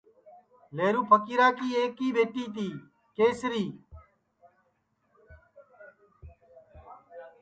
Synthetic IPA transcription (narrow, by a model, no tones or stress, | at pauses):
leːɾuːpʰəkiːɾaːkiːeːkːiːbeːʈiːt̪iː | keːsɾiː